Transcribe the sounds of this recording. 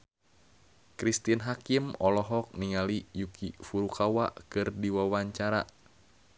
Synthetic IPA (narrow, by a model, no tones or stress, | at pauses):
kɾist̪inɦakimɔlɔɦɔk̚niŋalijukifuɾukawa̰ʔkɨrdiwawaɲt͡ʃaɾa̰